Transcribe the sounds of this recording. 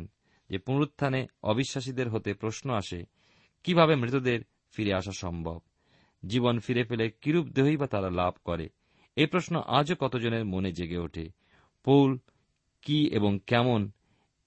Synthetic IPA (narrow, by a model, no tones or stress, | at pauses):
n | d͡ʑepunɾut̪ʰːaneɔ̰biʃːaʃ̬id̪eɾɦot̪epɾosnoaʃe | kibʱaβemɾit̪od̪eɾ | fiɾeaʃaʃɔmbʱo̰b̚ | d͡ʑibonfiɾefelekiɾubd̪eɦoibat̪aɾalab̚ʱkɔɾḛ | ejpɾosnoʔad͡ʑokɔt̪od͡ʑoneɾmoned͡ʑeɡeoʈʰḛ | powl | kiḛboŋkɛmon